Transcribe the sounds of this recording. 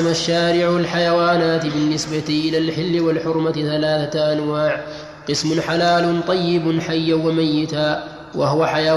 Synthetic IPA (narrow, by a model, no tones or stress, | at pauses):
maʃːaːɾɪʕwalħajawaːnaːt̪bɪnːɪsbat̪ʔɪlaːlħɪlːɪwalħʊɾmaθalaːθaʔanwaːʕ | qɨsmʊnħalaːlʊnt̪ˤɑjːɪbnħajːawamajːɪt̪aː | wʔahʊwaħaja